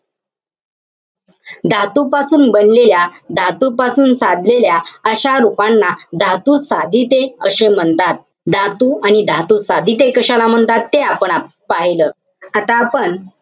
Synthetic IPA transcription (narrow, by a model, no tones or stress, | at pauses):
d̪ʱat̪upasuːnbənleljad̪ʱat̪upasuːnsad̪ʱleljaəɕaɾupanːad̪ʱat̪usad̪ʱit̪eəɕem̤əɳt̪at̪̚ | d̪ʱat̪uaɽ̃id̪ʱat̪usad̪ʱit̪̬ekəɕalam̤əɳt̪at̪ːeapəɳa | paɦiləː | at̪aːpəɳ